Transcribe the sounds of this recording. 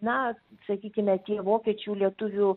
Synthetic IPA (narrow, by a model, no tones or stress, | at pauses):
nɐsɐkʲiːkʲɪmʲɛt̪ʲiɛʋoːkʲiɛt͡ʃʲuːlʲiɛt̪ʊʋʲʊ